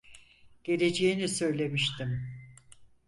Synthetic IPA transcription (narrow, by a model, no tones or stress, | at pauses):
ɟ̥e̞le̞d͡ʒejinisø̞jlʲe̞miʃt̪ʰim